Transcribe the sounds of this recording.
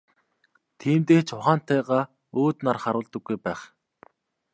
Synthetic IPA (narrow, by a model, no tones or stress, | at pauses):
t̪ʰiːmt̪eːt͡ɕʰʊχaːn̥t̪ʰæːʁaː | oːt̪narχaɾʊːɮt̪ə̆ɡːujpæːχ